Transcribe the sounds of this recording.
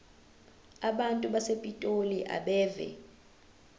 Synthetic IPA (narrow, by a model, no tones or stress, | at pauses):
aɓantʼuɓasepʼitʼoliʔa̰ɓɛːvɛ̰